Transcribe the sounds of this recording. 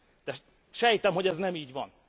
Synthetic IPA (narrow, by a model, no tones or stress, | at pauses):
d̪̥ɛ | ʃɛjit̪ɛmɦo̞ɟɛznɛmiːɟʋɒn